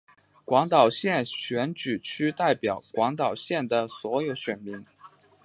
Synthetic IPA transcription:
kwɑ˧˥ŋt̪ɑ˨˩ʊɕjɛ˥˩nɕɥɛ˧˥nt͡ɕy˨˩t͡ɕʰy˥t̪a˥˩ɪpjɑ˨˩˦ʊkwɑ˧˥ŋt̪ɑ˨˩ʊɕjɛ˥˩nd̪ə˩swɔ˧˥jo˨˧˥ʊɕɥɛ˨˩nmi˧˥ŋ

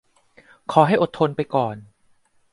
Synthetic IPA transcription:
kʰɔː˩˦ɦa˥˩jʔo˨˩t̪ʰːo˧npa˧jkɔː˨˩n

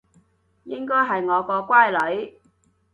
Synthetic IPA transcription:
jɪ˥ŋkɔː˥jɦɐ˨jŋɔː˨˧kɔː˧kʷaː˥˩jlɵ˨˥ɥ

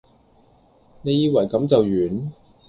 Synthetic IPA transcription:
ne˨˧jiː˧wɐ˨˩jkɐ˨˧˥mt͡sɐ˨wjyː˨˩n

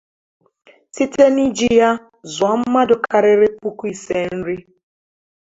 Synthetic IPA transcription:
ti˦te˦ni˦d͡ʒi˦ja˦ | zwa˨˦m̩˦ma˦dʊ˨kʰa˨ɾɪ˨ɾɪ˦pu˦ku˦i˨se˨n̩˦ɾi˦

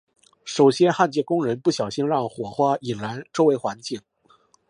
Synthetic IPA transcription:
ʂo˨˩ʊɕjɛ˥nxa˥˧nt͡ɕjɛ˥˩kʊ˥ŋɻə˧˥npu˥˩ɕjɑ˨˩ʊɕi˥˧ŋɻɑ˥˩ŋxwɔ˨˩xwa˥i˨˩ŋla˧˥nʈ͡ʂo˥ʊwe˧˥ɪxwa˧˥nt͡ɕi˥˩ŋ

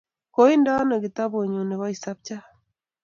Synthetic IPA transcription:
ko˦i˦nda˦ne˨ɡi˨ta˦bo˨ɲo˨ne˨wa˦isa˦b̚t͡ʃa˦

